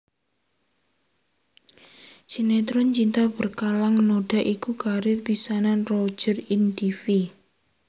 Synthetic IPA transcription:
sinet̪ɾɔnt͡ʃint̪abərkalaŋnoɖ̥a̤ʔikukaɾɪrpisananro̥d͡ʒərind̪ifi

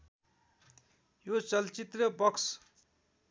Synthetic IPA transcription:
jot͡sʌlt͡sit̪rʌbʌks

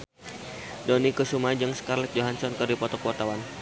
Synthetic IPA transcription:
dɔnikəsumad͡ʒɨŋskarlɛt̪̚d͡ʒoɦansɔnkɨrdipɔt̪ɔkɔt̪awan

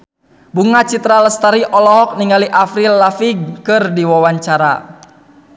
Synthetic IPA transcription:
buŋat͡ʃit̪ɾaləst̪aɾiʔɔlɔɦɔk̚niŋaliʔafɾilːafiɡ̚kɨrdiwawaɲt͡ʃaɾa̰

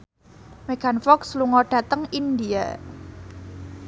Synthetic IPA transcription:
meɡ̥a̤nfɔksluŋɔɖ̥ä̤t̪əŋind̪ia̰

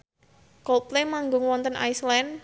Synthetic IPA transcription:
kɔlplemaŋɡʊŋwɔnt̪ənʔa̰jslɛn

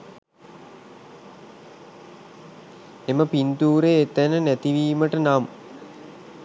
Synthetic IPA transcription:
eməpint̪uːɾeːt̪ænənæt̪iʋiːməʈənam

